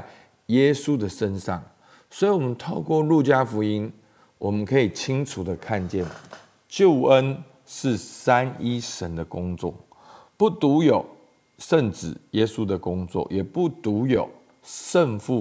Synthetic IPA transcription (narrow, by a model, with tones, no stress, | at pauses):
jɛ˦˥su˦d̪ə˨ʂə˦nʂɑ̰˥˨˩ŋ | swɔ˧˥i˧˥wɔ˨mə˨˦nt̪ʰo˥˧ʊkwɔ˥˨lu˥˨˩t͡ɕja˦fu˧˥i˦n | wɔ˨˩mə˦nkʰə˧˥i˨˩t͡ɕʰi˦ŋʈ͡ʂʰu˨˩d̪ə˩kʰa˥˧nt͡ɕjɛ˥˨n | t͡ɕjo˥˩ʊə˦n | ʂɻ̩˥˨sa˦˥ni˥ʂə˧˦nd̪ə˨kʊ˦˥ŋt͡swɔ̰˥˨ | pu˥˩t̪u˨˦jo˨˩ʊ | ʂə˥˨nt͡sɻ̩˨˩jɛ˦˥su˦˥d̪ə˨kʊ˦ŋt͡swɔ̰˥˨jɛ˨˩pu˥˩t̪u˨˧˥jo˨˩ʊ | ʂə˥˧nfu˥˨